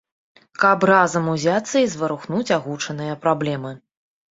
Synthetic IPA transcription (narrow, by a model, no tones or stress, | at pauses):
kɐprazɐmuzʲat̪sːɐizvɐɾuxnut͡sʲaɣut͡ʂɐnɨjɐpɾablʲɛmɨ